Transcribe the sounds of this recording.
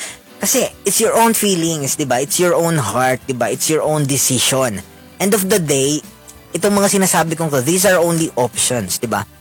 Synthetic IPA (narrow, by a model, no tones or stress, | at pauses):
kɐsɛʔɪt̪sjɔɹʔõw̃nfiːlɪŋsd̪ɪbaʔɪt̪sjɔɹʔõwnɦaɹt̪̚d̪ɪbaʔɪt̪sjɔɹʔõwnd̪ɪsɪʃon | ʔɛ̃nd̪ɔfd̪ɐd̪ej | ʔɛt̪oŋmɐŋasɪnaːsaːbɪkoŋt̪oðiːsɐɹʔõw̃nliʔɔpʃɔnsd̪ɪba̰